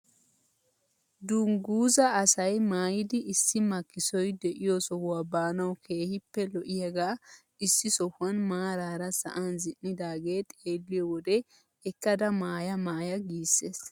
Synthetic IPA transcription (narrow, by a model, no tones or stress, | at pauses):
d̪ʊŋɡuːzɐːsɐjmaːjɪd̪ɪʔːsːɪmɐkːɪsɔjd̪ɛʔɪjɔsɔhwabaːnɐwkʰe̞ːhɪpːɛlɔʔɪjɐɡaː | ɪsːɪsɔhɐnmaːɾaːɾɐsɐ̰ʔanzɪnːɪd̪aːɡe̞ːt̪ʼeeːlːɪjɔwɔd̪ɛ | ɛkːɐd̪ɐmaːjɐmaːjɐɡiːsːe̞ːs